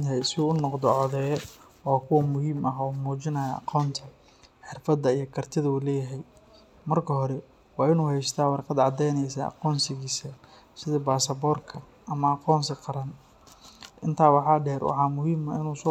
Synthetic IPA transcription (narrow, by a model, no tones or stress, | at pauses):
t̪ɦɛjsɪuːʊnɔqd̪ɔʕɔðɛjɛ | ɔːkʰʊwɐmʊɦiːmɐɦuːmuːt͡ʃɪnɐjɐʔɑ̰qɔːnt̪ʰɐ | ħɪrfɐd̪ːɐijɞkʰɐrt̪ʰɪðɐuːlɛːjɐɦɛj | mɐrkʰɐɦɔɾɛ | wɑːɪnuːhɛjst̪ʰaːwɑrqɑd̪ʕɑd̪ɛjnɛjsɐʔɑ̰qɔːnsɪɣiːsɐ | sɪðɐbaːsɐbɔːrkʰɐ | ʔɐmɐɑqɔːnsɪqɑɾɐn | ʔɪnt̪ʰaːwɑħɑːɖɛːrwɑ̰ħɑːmʊɦiːmɐɪnuːsɔ